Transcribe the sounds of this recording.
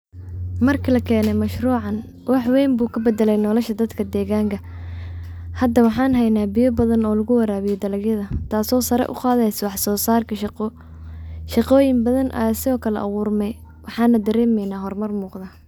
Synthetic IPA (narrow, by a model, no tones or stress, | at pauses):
mɐrkʰilɐkʰɛːnɛmɐʃruːʕɑn | wɑħwɛːmbuːkʰɐbɛd̪ɛlɛjnɔːlɐʃɐd̪ɐd̪kʰɐd̪ɛːɣaːŋkʰɐ | hɐd̪ɐwɑħɑːnɦɛjnaːbɪjɔbɐðɐnɔːlɐɣʊwɐɾaːβɪjɛd̪ɐlɐɡjɐðɐt̪ʰaːsɔːsɐɾɛ̰ʔʊ̰qɑːðɛjswɑħsɔːsaːrkʰɐʃ | ʃɑqɔːjɪmbɐðɐnʔɐ̰jaːsɪɔːkʰɐlɛ̰ʔɐ̰ɣʊːrmɛj | wʔɑħɑːnːɐd̪ɐɾɛːmɛjnaːɦɔrmɐrmuːqd̪ɐ